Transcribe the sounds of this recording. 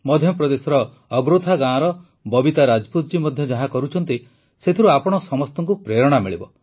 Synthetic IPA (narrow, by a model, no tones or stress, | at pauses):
mɔd̪ʱjɔpɾɔd̪esɔɾɔː | ɡɾot̪ʰaɡãːɾɔ | bɔbit̪aɾad͡ʒɔput̪d͡ʒimɔd̪ʱjɔd͡ʒaɦãkɔɾut͡ʃʰɔnt̪i | set̪ʰiɾuapɔɽ̃ɔsɔmɔst̪ɔŋkupɾeɾɔɽ̃amiɭibɔ